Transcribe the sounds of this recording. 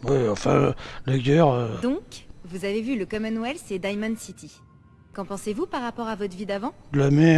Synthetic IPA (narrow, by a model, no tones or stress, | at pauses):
wiɑ̃fɛ̰̃lɛɡʲœʁød̪ɔ̃kvuzavevyləkɔmanwɛlsed̪ajmansit̪ʰi | kɑ̃pɑ̃sevupaʁːapɔʁavɔt̪χvid̪avɑ̃lamɛ